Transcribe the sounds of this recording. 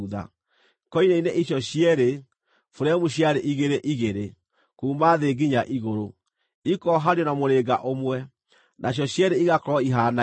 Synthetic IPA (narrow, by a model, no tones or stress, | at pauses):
ða̰ | kɔineineʔiɕjɔɕjɛɾe | foɾɛmuɕjaɾeʔiɣeɾeʔiɣeɾe | kuːmaðeɡiɲaʔiɣoɾo | ikɔɦaɾeɔnamoɾeɡaʔomwɛ | nʔaɕ̬jɔɕjɛɾeiɣakɔɾɔiɦana